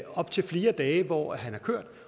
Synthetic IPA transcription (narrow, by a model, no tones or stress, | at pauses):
ɒ̽b̥̚t͡sʰe̝lfle̝ːɐd̥ɛːʋɒ̰ːɦænæɐkʰøɐ̰d̥